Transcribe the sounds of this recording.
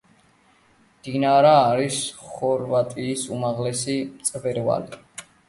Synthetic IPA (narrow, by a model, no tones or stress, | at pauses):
d̪̥inaɾaːɾisχɔɾvat̪ʼiːsumaʁlɛsimt̪sʼvɛɾva̰li